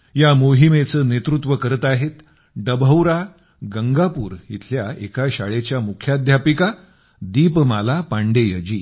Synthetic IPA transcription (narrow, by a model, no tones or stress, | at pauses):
jamoɦimet͡səːnet̪ɾut̪ʋəkəɾət̪aɦet̪ | ɖəbʱəwɾa | ɡəŋɡapuːɾḭt̪ʰljaekaɕa̰ɭet͡ɕjamukʰjad̪ʱjapika | d̪iːpmalapaɳɖejəd͡ʑiː